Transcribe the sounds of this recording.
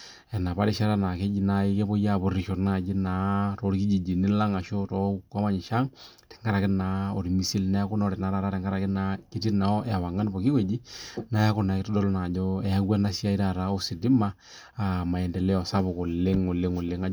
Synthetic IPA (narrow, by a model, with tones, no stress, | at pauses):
ɛ˨na˨pa˦ɾi˦ʃa˦ɾa˦na˨ke˦d͡ʒi˦na˨i˦ke˦bo˦ja˦˨bʊ˨ɾi˨ʃo˨na˦˨d͡ʒi˦na˨˦ɾo˨˦ɾki˦d͡ʒi˨d͡ʒi˨ni˦la˦ŋa˨ʃo˦tɔ˨˦ka˦ma˦ɲi˨ʃa˦ŋ | tɛ̥˨ŋɡa˦ɾa˨kɪ˦na˨˦o˨ɾi˨mi˨si˦lna˦ja˦kʊ˦n˦ɔ˦ɾɛ˨na˨ɾa˦ɾa˦ɾɛ˨ŋɡa˦ɾa˨kɪ˦na˨˦ki˦ti˦na˨ɔ˦ʔɛ˨wa˨ŋa˦n˦bo˨ki˦kwe˨d͡ʒi˦na˦ja˦kʊ˦na˨kɪ˦tɔ˦dɔ˦lna˨d͡ʒo˦ɛ˨ja˦ɡwa˦na˦si˦a˦i˦ɾa˨ɾa˨˦o˦˨si˨di˦maː˦˨ | ma˨ɛ˨ndɛ˨lɛ˦ɔ˨sa˦βʊ˨ko˨le˦ŋo˨le˦ŋo˨le˦ŋa˨˦